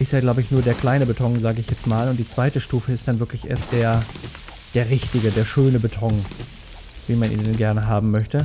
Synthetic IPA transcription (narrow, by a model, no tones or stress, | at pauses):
ʔɪszjaːɡlaʊbəɪçnuːɐdeːɐkl̥aɪnəbətʰɔŋzaːɡəɪçjɛt͡stmaːlʊnt̚d̥iːt͡sv̥aɪtəʃtuːfəɪstd̥anvɪɐklɪçʔḛːɐst̚d̥eːɐ | d̥eːɐʁɪçtɪɡədeːɐʃøːnəbətʰɔŋ | viːmanʔḭːndɛnɡɛɐnəɦaːbm̩mœçtə